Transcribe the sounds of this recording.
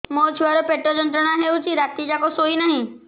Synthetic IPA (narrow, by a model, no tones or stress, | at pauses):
moːt͡ʃʰʋaɾopeʈːod͡ʒə̃nt̪ɾənaɦeʊt͡ʃiɾaːt̪id͡ʒakosoːinɐɦĩ